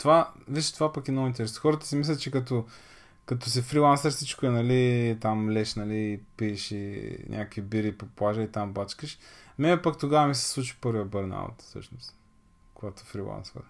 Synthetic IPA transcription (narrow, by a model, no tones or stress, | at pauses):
t̪ovaviʃɛ̥t̪ovapɐkɛnɔɣʊint̪ɛɾɛso̥xɔɾət̪ə̥simislʲət̪t͡ʃɛkɐt̪o | kɐt̪os̬ifɾilˠansəɾfsit͡ʃkoɛnɐlit̪amlɛʃnɐliːpiɛʃinʲʔa̰kkvibiɾipoplˠaʒəit̪ambat͡ʃkəʃmɛnɛpakt̪oɡavəmisɛ̥slˠut͡ʃi̥pɤɾvijəbɤɾna̰bo̰t̪fsɤ̰ʃnʊst̪ | koɡat̪oɛfɾilˠa̰nsə̰ɾ